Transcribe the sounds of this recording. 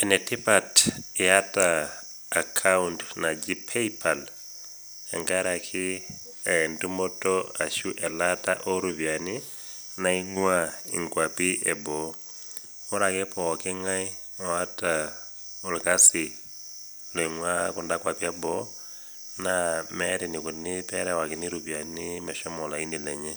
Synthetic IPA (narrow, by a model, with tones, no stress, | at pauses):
ɛ˨nɛtʰi˦patiatʼaː˨ | kʰauntna˨d͡ʒipʰepʰal | ɛ̰ŋɡaɾa˨kʰi | ɛndu˦mɔ˦tɔa˨ʃu˦ʔɛ˨latʼa̰ʔo˦ɾuβja˨ni | na˦i˦ŋwaḭ˨ŋkwapi˦ʔɛbɔ˨ | u˦ɾa˨kɛ˦pʰɔ˨ɔ˨kɛ˦ŋa˦i˦ | ɔ˨a˦tʼa | u˨lka˦si˨ | lɛŋwa˦ku˨nda˦kwa˨pi˦ɛ˦bɔ | namɛɾi˨ni˨ku˨nipɛ˦ɾɛwa˨ki˨ni˦ɾubja˨nimɛ˨ʃɔ˦mɔ˨la˨i˦ni˨lɛ˨ɲɛ˦